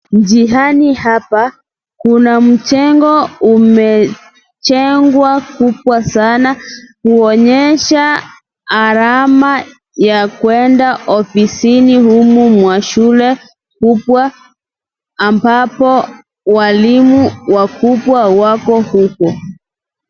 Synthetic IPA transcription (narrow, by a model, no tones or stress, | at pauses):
ɲd͡ʒiɦanihapa | kunam̩t͡ʃɛŋɡɔumɛ | t͡ʃɛŋɡwakupwasanakuɔɲɛʃaː | ɾama | jakwɛndaʔɔfisinihumumwaʃulɛ | kupwa | mbapɔ | walimuwakupwawakɔhukɔ